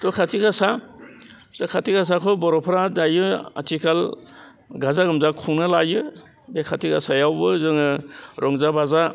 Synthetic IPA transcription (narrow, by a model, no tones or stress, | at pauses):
tɔkʰatʰiɡasa | z̥akʰatʰiɡas̬akʰɔbɔɾɔpʰɾadajɯa̰tʰikʰal | ɡazaɡɯmzakʰuŋnɯlajɯ | bekʰatʰiɡasajawbɯzɯŋɯɾʔɔŋzabaza